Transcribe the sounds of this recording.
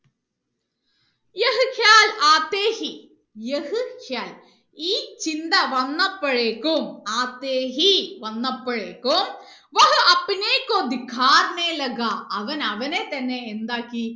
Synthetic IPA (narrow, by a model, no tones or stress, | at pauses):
jɐɦɨkʰjaːlaːt̪ːeːhi | jehɨkʰjaːl | iːt͡ɕind̪ɐʋɐnːɐpːɐɻeːkːumaːt̪ːeːɦiʋɐnːɐpːɐɻeːkːom | ʋɐɦɨʔɐpːineːkːoːd̪ikʰːaːɾneːlɐɡaʔɐʋɐnɐʋɐnet̪ɐnːeːnd̪aːkːi